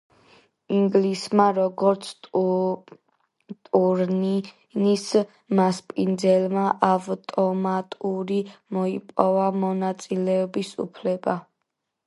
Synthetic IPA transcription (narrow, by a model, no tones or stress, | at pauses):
iŋɡlismaɾɔɡɔɾt̪sʰ | t̪ʼuɾn | nis | maspʼind̪zɛlmaʔavt̪ʼɔmat̪ʼuɾimɔipʼɔvamɔnat̪sʼilɛɔbisṵpʰlɛba